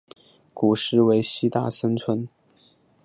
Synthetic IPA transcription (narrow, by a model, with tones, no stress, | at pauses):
ku˨˩ʂɻ̩˥˩we˧˥ɪɕi˥t̪a̰˥˩ʂə˥nt͡sʰwə˧˥n